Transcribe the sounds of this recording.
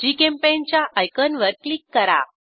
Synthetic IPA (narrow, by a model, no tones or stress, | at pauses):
d͡ʑiːkẽmpent͡ɕjaʔajkənʋəɾklikːəɾa̰